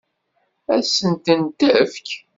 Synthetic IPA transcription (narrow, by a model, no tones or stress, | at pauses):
æsənt̪ənt̪æfk